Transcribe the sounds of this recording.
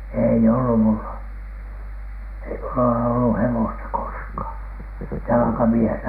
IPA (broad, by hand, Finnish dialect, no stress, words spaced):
ei olːu mulːɑ ei mulːɑ ole olːu hewostɑ koskhɑˑn jɑlɑ̆kɑmiehenæ